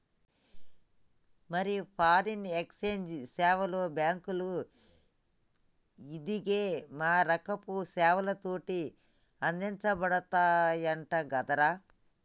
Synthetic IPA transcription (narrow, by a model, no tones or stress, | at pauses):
mɐɾijupʰaːɾinekseːɲd͡ʒsɛːʋɐloːbjaːŋkulu | id̪iɡeːmaːɾɐkɐpusɛːʋɐlɐt̪oːʈi | ɐnd̪iɲt͡ʃɐbɐɽɐt̪aːjɐɳʈɐɡɐd̪ɐɾaː